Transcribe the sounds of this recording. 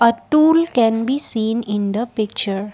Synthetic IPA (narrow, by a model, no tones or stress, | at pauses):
ɐʈuːlkɛ̃nbisĩːnɪ̃nd̪əpɪk̚t͡ʃəɾ